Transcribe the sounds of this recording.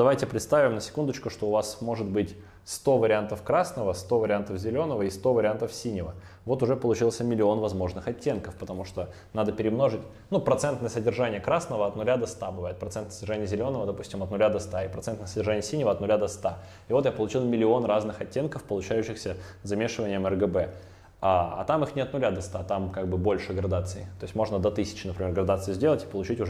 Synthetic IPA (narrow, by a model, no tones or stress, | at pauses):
d̪ɐvajtʲɪpɾʲɪt̪st̪avʲɪmnəsʲɪ̥kund̪ət͡ɕkʊʂt̪o̞ʊvasmo̞ʐɨt̪bɨtʲ | st̪o̞vəɾʲɪant̪əfkɾasnəvəst̪o̞vəɾʲɪant̪əfzʲɪlʲo̞nəvəist̪o̞vəɾʲɪant̪əfsʲinʲɪvə | vot̪ʊʐɛpəlˠʊt͡ɕilˠsʲəmʲɪlʲɪo̞nvɐzmo̞ʐnɨxɐtʲːe̞nkəfpət̪ɐmuʂt̪o̞ | nad̪əpʲɪɾʲɪmno̞ʐɨtʲ | nupɾɐt̪sɛnt̪nəjəsədʲɪrʐanʲɪjəkɾasnəvəɐt̪nʊlʲad̪ɐst̪abɨvajɪt̪pɾɐt̪sɛnt̪əsədʲɪrʐanʲɪjəzʲɪlʲo̞nəvəd̪ɐpusʲtʲɪmɐt̪nʊlʲad̪ɐst̪aɪpɾɐt̪sɛnt̪nəsədʲɪrʐanʲɪəsʲinʲɪvəɐt̪nʊlʲad̪ɐst̪a | ɪvo̞t̪japəlˠʊt͡ɕilˠmʲɪlʲɪo̞nraznɨxɐtʲːe̞nkəfpəlˠʊt͡ɕæjʉɕːɪxsʲəzɐmʲe̞ʂɨvənʲɪjəmɛrɡəbɛ | aɐ̰t̪amɨxnʲɪɐt̪nʊlʲad̪ɐst̪at̪amkaɡ̚bɨbo̞lʲʂɨɡɾɐd̪at̪sɨɪt̪oɪsʲtʲmo̞ʐnəd̪ɐt̪ɨsʲɪ̥t͡ɕɪnəpɾʲɪmʲeɡɾɐd̪at̪sɨɪzʲdʲe̞lˠətʲɪ̥pəlˠʊt͡ɕitʲʊ